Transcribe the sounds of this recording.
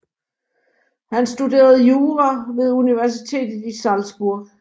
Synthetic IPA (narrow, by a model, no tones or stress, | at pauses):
hænsd̥ude̝̰ːɐð̞̩ˠjuːʁɐʋe̝ðˠuniʋæɐsit͡sʰe̝̰ːd̥ð̩ˠisɑlsb̥uɐ̰ɡ̥